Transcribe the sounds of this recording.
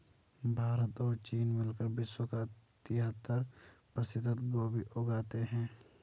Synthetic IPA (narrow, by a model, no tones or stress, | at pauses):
bʱaːɾət̪ɔːɾt͡ʃiːnmɪlkəɾbɪswəkat̪ɪɦət̪ːəɾpɾəsɪd̪ʱət̪ɡoːbiʔoːɡaːt̪eɦɛ̃ː